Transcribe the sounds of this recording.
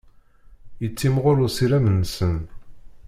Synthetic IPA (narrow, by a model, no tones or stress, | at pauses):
jət͡sːimʁʊɾʊsiɾæmənːsən